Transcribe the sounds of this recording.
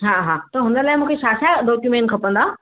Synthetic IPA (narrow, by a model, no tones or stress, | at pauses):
ɦãɦãt̪ɔɦõnəɾlaːemũːkʰeɕaːsaɖɔkjumẽɳʈkʰəpə̃nd̪a